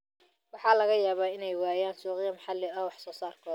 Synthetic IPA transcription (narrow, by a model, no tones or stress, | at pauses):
wɑħɑːlɐɣɐjaːβaːɪnɛjwaːjaːnsuːqɪjɐmɑħɑlɪɐwɑħsɔːsaːrkʰɔː